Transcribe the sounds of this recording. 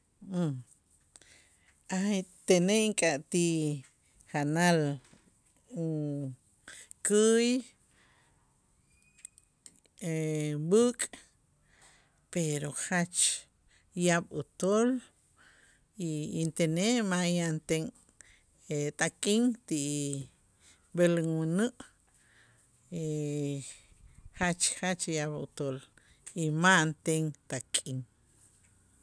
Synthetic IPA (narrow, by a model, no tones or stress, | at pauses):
at̪eneʔŋkʼaʔt̪i | χanal | kɨj | ebuːkʼ | peɾoxat͡ʃ | jaɓut̪ol | iint̪eneʔmajant̪eŋ | et̪ʼakʼiŋt̪iʔ | belŋwinɨʔ | i | χat͡ʃχat͡ʃjaɓṵt̪ol | imant̪eŋt̪akʼiŋ